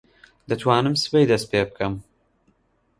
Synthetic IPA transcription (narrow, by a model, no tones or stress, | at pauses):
d̪ɐt̪ʰwaːnɨmsɨ̥pejd̪ɐst̪̚peːbɨkʰɐm